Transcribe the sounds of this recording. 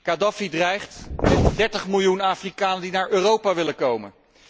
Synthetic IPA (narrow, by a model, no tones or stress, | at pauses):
kadɑfidrɛjχtmɪtdɛɹtəχmɪlˠjunaːfrikaːnəndinaːɹʔøːrowpaʋɪləkowmə̰n